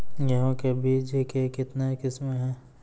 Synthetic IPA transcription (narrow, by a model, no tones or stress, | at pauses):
jɐɦõkebʱiːd͡ʒekekɪt̪nekɪsmeɦɛ̃ː